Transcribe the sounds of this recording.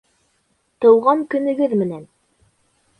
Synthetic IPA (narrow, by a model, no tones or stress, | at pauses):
t̪ɤ̆wʁɑŋkɵ̆nɵ̆ɡɵðmɘ̆næn